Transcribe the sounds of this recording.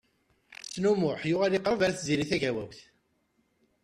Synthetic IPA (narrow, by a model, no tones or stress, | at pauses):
t͡sːnumʊħjʊʁæliqːɾavæɾθziɾiθæʝæwæwθ